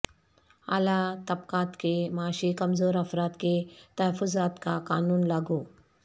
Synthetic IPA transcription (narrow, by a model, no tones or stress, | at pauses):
a̰lat̪əpkãt̪kemaɕiːkəmd͡zoːɾəfɾat̪ket̪əɦəfuzat̪kakanuːnlaɡu